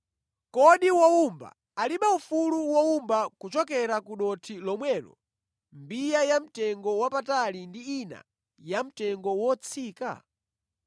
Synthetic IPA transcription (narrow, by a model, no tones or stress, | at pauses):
kɔɗiwɔumba̰ | aliɓaufuluwɔumbakut͡ʃɔkɛɾakuɗɔtʰilɔmwɛlɔ̰ | mbijajam̩tɛŋɡɔwapatalindiːna̰ | jam̩tɛŋɡɔwɔt͡sʰiːka̰